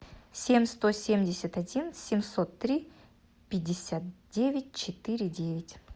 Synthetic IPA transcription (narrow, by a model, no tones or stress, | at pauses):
sʲemʲst̪o̞sʲemʲdʲɪsʲət̪ɐdʲinsʲɪmʲso̞t̪ːɾʲi | pʲɪdʲːɪsʲat̪̚dʲevʲɪt̚ʲt͡ʃɪt̪ɨɾʲɪdʲevʲɪtʲ